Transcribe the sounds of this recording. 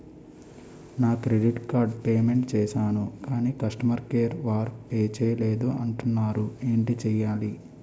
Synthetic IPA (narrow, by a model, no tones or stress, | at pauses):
naːkɾeɖiʈkaːɾɖpeːme̞ɳʈt͡ʃɛːʃaːnukaːniːkɐʂʈɐmɐɾkeːɾʋaːɾpeːt͡ʃɛːɐleːd̪uɐɳʈunːaːɾueːɳʈit͡ʃɛːjaːli